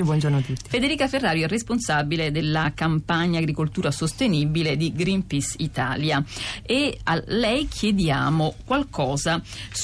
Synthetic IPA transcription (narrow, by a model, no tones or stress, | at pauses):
bwɔnd͡ʒornoat̪ːut̪ːifed̪eɾiːkaferːaːɾjoɛrːesponsabiled̪elːakampaɲːaɡɾikolt̪uːɾasost̪enibiled̪iɡɾimpisit̪a̰ːljaealːɛjkʰjed̪jaːmokwalkɔːza